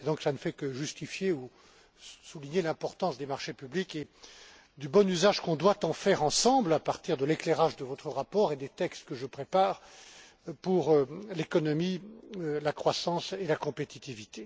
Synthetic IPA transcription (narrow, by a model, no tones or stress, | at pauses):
ed̪ɔ̃ksanəfɛkəʒyst̪ifjeu | suliɲelɛ̃pɔʁt̪ɑ̃sd̪emaʁʃepyblike | d̪ybɔnyzaʒkɔ̃d̪wat̪ɑ̃fɛʁɑ̃sɑ̃blapaʁt̪iʁd̪əlekleʁaʒd̪əvɔt̪χəʁapɔːʁed̪et̪ɛkst̪kəʒəpχepaːʁ | puʁlekɔnɔmilakχwasɑ̃selakɔ̃pet̪it̪ivit̪e